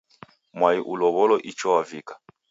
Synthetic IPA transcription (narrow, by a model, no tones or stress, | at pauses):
mwaiʔulɔβɔlɔʔit͡ʃɔwavikḁ